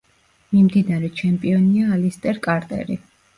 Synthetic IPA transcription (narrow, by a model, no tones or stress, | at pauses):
mimd̪inaɾɛt͡ʃʰɛmpʼiɔniaːlist̪ʼɛɾkʼaɾt̪ʼɛ̰ɾi